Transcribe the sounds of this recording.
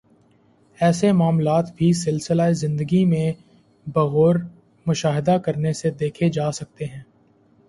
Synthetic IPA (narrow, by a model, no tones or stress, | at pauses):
ɛːsemaːmlaːt̪bʱisɪlsɪlaezɪ̃nd̪əɡimẽ | bɐɣoːɾ | mʊʃaːɦɪd̪akɐɾnesed̪eːkʰed͡ʒaːsɐk̚t̪eɦɛ̃ː